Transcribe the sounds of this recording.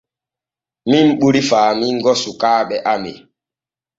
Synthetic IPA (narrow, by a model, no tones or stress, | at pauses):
mimɓuɾifaːmiŋɡɔsukaːɓɛʔamḛ